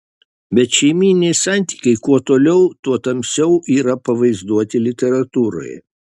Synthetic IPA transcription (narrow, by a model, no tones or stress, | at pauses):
bʲɛt̪ʃʲɛɪmʲiːnʲɛɪsɑˑnʲt̪ʲi̥ːkɐɪkuɔt̪oːlʲɛʊt̪uɔt̪ɐmʲsʲɛʊʔiːɾɐpɐʋɐɪzd̪uɔt̪ʲɪlʲɪt̪ʲɛɾɐt̪uːɾo̰j